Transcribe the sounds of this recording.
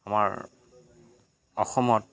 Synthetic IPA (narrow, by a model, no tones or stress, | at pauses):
amaɹ | ɔ̰xɔmɔt